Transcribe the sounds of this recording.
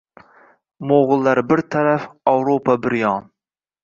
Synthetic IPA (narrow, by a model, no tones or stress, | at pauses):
moʁɨlˠːɑɾbɪɾt̪ʰaɾæfɑwɾopʰɑbɪɾjɑŋ